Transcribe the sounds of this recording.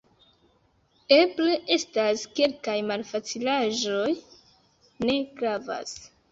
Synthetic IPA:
epleʔe̞staskelkajmalfat͡silaʒo̞j | ne̞kɾava̰s

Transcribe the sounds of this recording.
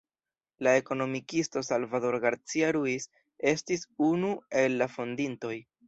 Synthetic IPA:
lae̞ko̞no̞mikisto̞salvado̞ɾɡaɾt͡siaɾuis | e̞stisunue̞lːafo̞ndinto̞j

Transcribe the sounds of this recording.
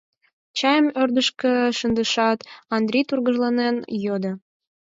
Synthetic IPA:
t͡ɕɑjəmørd̪əʃkəʃənd̪əʃɑt̪ɑnd̪ɾʲijt̪urɣəʒlɑnenjod̪ə

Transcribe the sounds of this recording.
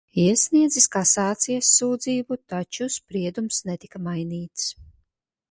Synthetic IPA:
iɛsniɛd̪ziskasaːt̪sijɐsːuːd̪ziːbut̪at͡ʃuspɾiɛd̪umsnɛt̪i̥kamajniːt̪s

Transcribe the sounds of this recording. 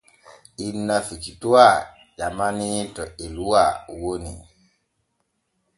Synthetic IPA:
ʔinːafikitua | ʄamanitɔeluwawonḭ

